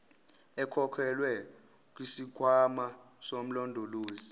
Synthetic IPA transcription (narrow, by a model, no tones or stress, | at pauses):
ɛkʰɔkʰɛlwɛ | k̬ʼwisikʰwama | som̩lɔndʱoloːzi